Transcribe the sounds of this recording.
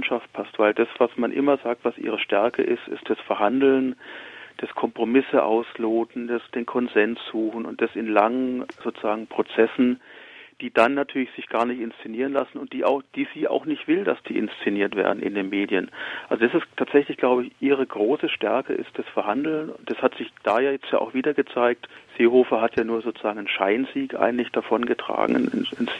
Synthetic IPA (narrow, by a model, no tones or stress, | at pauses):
nʃaft̚pʰastv̥aɪld̥asv̥asmanʔɪ̰mɐzaːk̚tv̥asʔḭːʁəʃtɛɐkə̰ʔɪstɪ̰st̚d̥asfɛɐhandl̩nd̥ɛskʰɔmpʁ̥omɪsəʔa̰ʊsloːtn̩d̥asd̥eːnkʰɔnzɛnsz̥uːxn̩ʊ̰nt̚d̥asɪnlaŋənzoːt͡suzaːɡŋ̩pʁ̥ot͡sɛsn̩d̥iːdanːatʰyːɐlɪçz̥ɪçɡ̥aːɐnɪçtɪnst͡sɪniːʁənlasn̩ʊnt̚d̥iːa̰ʊxd̥iːziːʔa̰ʊxnɪçtv̥ɪlda̰sd̥iːʔɪ̰nst͡sɪniːɐtv̥ḛɐdn̩ʔɪ̰ndeːnmeːdjənʔalzodasɪsttʰaːtz̥ɛçlɪçɡ̥laʊbəɪçʔiːʁ̞əɡʁoːsəʃtɛɐkəʔɪ̰st̚d̥asfɛɐɦandl̩nʊnd̥ashatz̥ɪçd̥aːjaːjɛt͡stjaːʔa̰ʊxv̥iːdɐɡət͡saɪk̚tz̥eːhoːfɐɦatʰjaːnuːɐzoːt͡su̥z̥aːɡŋ̩ənʃa̰ɪnziːkʔa̰ɪɡŋ̩tlɪçd̥afɔnɡətʁ̥a̰ːɡŋ̩̰ns